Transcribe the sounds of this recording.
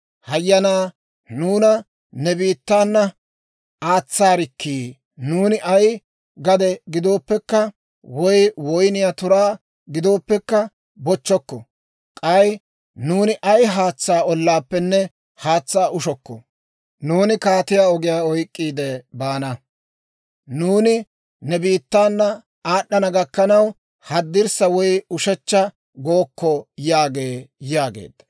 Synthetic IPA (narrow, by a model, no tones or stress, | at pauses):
hɐjːɐnaː | nuːnɐ | nɛbiːt̪ːaːnːɐ | aːt͡sːaːɾɪkʰːiː | nuːnɪʔɐj | ɡɐd̪ɛɡɪd̪o̞ːpːɛkːɐ | wɔjwɔjnɪjat̪ʊɾaː | ɡɪd̪o̞ːpːɛkːɐ | bɔt͡ʃːɔkːɔ | kʼɐj | nuːnɪʔɐjɦaːt͡sːaːɔlːaːpːɛnːɛ | haːt͡sːaːʔʊʃɔkːɔ̰ | nuːnɪkaːt̪ɪjaːɔɡɪjaːɔjkʼːiːd̪ɛbaːnɐ | nuːnɪ | nɛbiːt̪ːaːnːɐ | aːɗːɐnɐɡɐkːɐnɐw | hɐd̪ːɪɾsɐwɔjʊʃɛt͡ʃːɐ | ɡo̞ːkːɔjaːɡeːjaːɡḛːd̪ɐ